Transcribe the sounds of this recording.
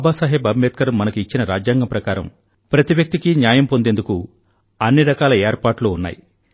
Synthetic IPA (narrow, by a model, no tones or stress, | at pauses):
baːsaːɦebɐmːeːt̪̚kɐɾɐmːɐnɐkuit͡ʃːinɐɾa̰ːd͡ʒjaːŋɡɐmpɾɐkaːɾɐ̰m | pɾɐt̪iʋjɐk̚t̪ikinjaːjɐmpo̞nd̪end̪uku | ɐnːiɾɐkaːlɐɛːɾpaːʈloːunːa̰ːji